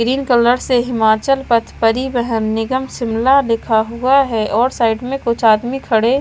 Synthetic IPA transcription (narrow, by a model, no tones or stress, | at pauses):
ɡɾiːnkələɾseɦɪmaːt͡ʃəlpət̪ʰpəɾibəɦənnɪɡəmsɪmlalɪkʰaɦuaɦɛʔɔːɾsaːɪʈmẽkʊt͡ʃʰaːd̪mikʰɐɽe